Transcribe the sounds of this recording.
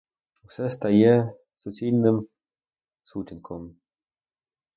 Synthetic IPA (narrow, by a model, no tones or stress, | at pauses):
usɛst̪ajɛ | sɔsʲilʲnɘm | sutʲɪnʲkʰɔm